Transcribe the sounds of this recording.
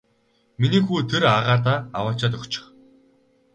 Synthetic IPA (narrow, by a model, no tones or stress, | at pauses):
miniːxuːt̪ʰeɾaʁaːt̪aːawaːt͡ɕaːt̪ɵkt͡ɕɪ̥̆χ